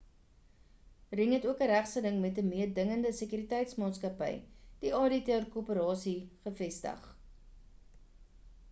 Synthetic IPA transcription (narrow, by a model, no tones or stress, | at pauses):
riŋɦɛtuəkəɾæχsələŋmɛtəmiərdəŋəndəsəkyɾitɛjtsmɑːtskɐpɛ̰jd̥iɑditɛrkupəɾɑːsiχəfɛstə̰χ